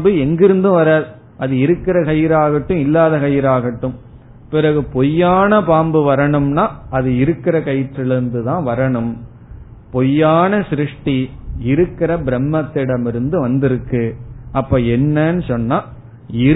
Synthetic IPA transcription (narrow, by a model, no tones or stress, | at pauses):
bɯɛŋɡɪɾɯnd̪ɯ̃ʋɐɾaːð | ɐðɯɪɾɯkːɪɾɐkɐjɪɾaːɣɐʈːɯ̃ɪlːaːðɐkɐjɪɾaːɣɐʈːɯ̃m | pɪɾɐɣɯpɔjːaːnɐpaːmbɯʋɐɾɐɳɯmnaːɐðɯɪɾɯkːɪɾɐkɐjʈːɪlɪɾɯnd̪ɯt̪ãːʋɐɾɐɳɯm | pɔjːaːnɐsɾɯʂʈiɪɾɯkːɪɾɐbɪɾɛmːɐt̪ːɪɽɐmɪɾɯnd̪ɯʋɐnd̪ɪɾɯkːɯʔɐpːoːɛnːɐnɯsɔnːaː | ɪɾ